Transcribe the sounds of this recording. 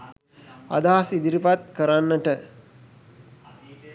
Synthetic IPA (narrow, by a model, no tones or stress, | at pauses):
a̰d̪aasid̪iɾipat̪̚kəɾanːəʈə